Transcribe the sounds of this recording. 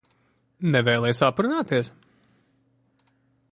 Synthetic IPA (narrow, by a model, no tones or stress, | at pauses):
nɛvɛːlˠɛjsapɾunaːt̪iɛs